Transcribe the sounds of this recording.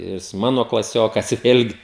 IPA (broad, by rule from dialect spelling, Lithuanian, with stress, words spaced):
jɪs ˈmɑːnoː klˠɐˈsʲoːkɐs ˈʋʲeːlʲɡʲɪ